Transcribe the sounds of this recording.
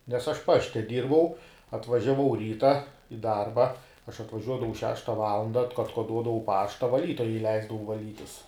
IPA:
nʲɛs ˈɐʃ ˈpɑːʃʲtʲɛ ˈdʲiːrbɐʊ ɐtʋɐʒʲɛˈʋɐʊ ˈrʲiːtɐ ɪ ˈdɐrbɐ ɐʃ ɐtʋɐˈʒʲuɔdɐʋɐʊ ˈʃʲæːʃtɐ ˈʋɑːlˠɐndɐ ɐt ɐtkoːˈduɔdɐʋɐʊ ˈpɑːʃtɐ ʋɐˈlʲiːtoːjɛ ɪˈlʲɛɪzdɐʋɐʊ ʋɐˈlʲiːtʲɪs

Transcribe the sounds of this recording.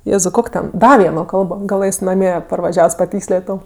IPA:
ˈjeːzɐʊ ˈkoːkʲ tʲɛn ˈdɐ ˈʋʲiɛnoː ˈkɐlˠboː ɡɐˈlˠɘs nɐˈmʲiɛ pɐrʋɐˈʒʲɛws pɐˈtʲiːksʲlʲeːtʲ ˈtɐʊ

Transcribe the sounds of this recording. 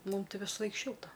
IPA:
ˈmʊmˈtɐɪ ʋʲɪsɐˈlˠɐɪk ˈʃʲɪlˠtɐ

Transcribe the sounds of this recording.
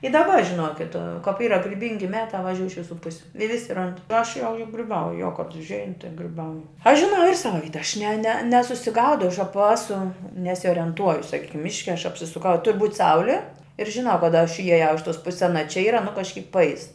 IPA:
ɪ dɐˈbɐ ʒʲɪˈnoːkʲɪt kɐp ˈiːrɐ ɡrʲɪˈbʲɪŋʲɡʲɪ ˈmʲæːtɑː ʋɐˈʒʲuːj ɪʃ ʋʲɪˈsuː ˈpʊsʲʊ ɪ ˈʋʲɪsʲɪ ˈrɐnt ɪr ˈɐʃ jɛʊ ɡrʲɪˈbɐʊjʊ joː kɐt ʊʒʲˈɛɪn tɐɪ ɡrʲɪˈbɐʊjʊ ɐʃ ʒʲɪˈnɐʊ ɪr ˈsɑːʋɐ ˈʋʲiːtɐ ɐʃ nʲɛ nʲɛ nʲɛsʊsʲɪˈɡɐʊdɐʊ ɐʃ ˈɑːpɐ ˈɑːsʊ nʲɛsʲoːrʲɛnˈtuɔjʊ sɐˈkʲiːkʲɪm ˈmʲɪʃʲkʲɛ ɐʃ ɐpʲsʲɪsʊˈkɐʊ ɪ tʊrʲ buːtʲ ˈsɐʊlʲɪ ɪr ʒʲɪˈnɐʊ kɐˈdɐ ɐʃ ɪjɛˈjɛʊ ɪʃ toːs ˈpʊsʲɪs ɐˈnɐ t͡ʃʲɛ ˈiːrɐ nʊ kɐʃʲˈkʲiːk pɐˈɛɪs

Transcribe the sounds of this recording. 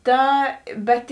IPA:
ˈtɐ ˈbʲɛt

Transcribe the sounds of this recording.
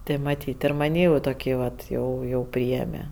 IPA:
ˈtʲeː mɐˈtʲiːtʲ ɪr mɐˈnʲiː jɛʊ toːˈkʲiː ʋɐt ˈjɛʊ jɛʊ ˈpʲrʲɪeːmʲɛ

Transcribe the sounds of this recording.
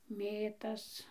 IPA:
ˈmʲeːtɐs

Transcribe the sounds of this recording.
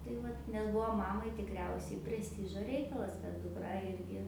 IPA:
tɐɪ ˈʋɐt nʲɛs ˈbuɔ ˈmɑːmɐɪ tʲɪkˈrʲɛʊsʲɛɪ pʲrʲɛsʲˈtʲɪʒoː ˈrʲɛɪkɐlˠɐs kɐt dʊˈkrɐ ˈɪrʲɡʲɪ

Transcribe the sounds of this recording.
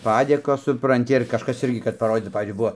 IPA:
ˈpɑːdʲeːkoːs sʊprɐnʲˈtʲɪ ɪr kɐʃˈkɐs ˈɪrʲɡʲɪ kɐt pɐˈroːdʲiːt nʊ ˈpɑːʋʲiːzʲd͡ʒʲʊɪ ˈbʊʋoː

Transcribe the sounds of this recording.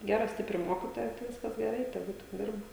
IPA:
ˈɡʲæːrɐ ˈsʲtʲɪpʲrʲɪ ˈmoːkʲɪtoːjɛ tɐɪ ˈʋʲɪskɐs ɡʲɛˈrɐɪ tʲɛˈɡʊ tʲɪk ˈdʲɪrbɐ

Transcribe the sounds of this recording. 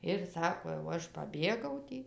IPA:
ɪr ˈsɑːkoː jɛʊ ˈɐʃ pɐˈbʲeːɡɐʊ ˈtʲiː

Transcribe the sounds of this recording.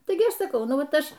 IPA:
ˈtɐɪɡʲɪ ˈɐʃ sɐˈkɐʊ ˈnʊ ˈʋɐt ˈɐʃ

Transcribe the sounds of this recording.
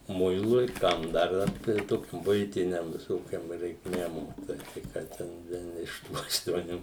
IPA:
ˈmʊɪlˠʊɪ ˈkɐm dɐr ˈʋɐt tɐɪ ˈtoːkʲʊ ˈbʊɪtʲɪnʲɛm ʋʲɪˈsoːkʲoːm rʲɛɪkˈmʲeːm tɐɪ ˈkɑː tʲɛn ˈʋʲiɛn ɪʃ ˈtuː ɐʃtuɔˈnʲuː

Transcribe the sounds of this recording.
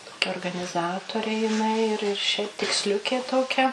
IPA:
toːˈkʲɛ oːrɡɐnʲɪˈzɑːtoːrʲeː jɪˈnɐɪ ɪr ɪr ʃʲɛɪp tʲɪksʲˈlʲʊkʲeː toːˈkʲɛ

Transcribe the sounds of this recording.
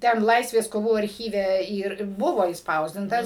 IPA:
ˈtʲɛn ˈlˠɐɪsʲʋʲeːs koːˈʋuː ɐrʲˈxʲiːʋʲɛ ˈiːr ˈbʊʋoː ɪʃˈspɐʊzʲdʲɪntɐs

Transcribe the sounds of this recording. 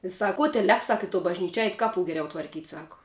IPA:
ɪ ˈsɐk ˈkoː tʲæː ˈlʲɛk ˈsɐk ɪ toː bɐʒʲˈnʲiːt͡ʃʲɪ ˈɛɪt ˈkɑːˌpʊ ɡʲɛˈrʲɛʊ tʋɐrʲˈkʲiːtʲ ˈsɑːkʊ

